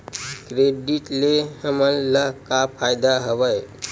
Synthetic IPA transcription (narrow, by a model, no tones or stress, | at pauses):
kɾeɖiʈlehəməlləɦkapʰajd̪aɦəʋəj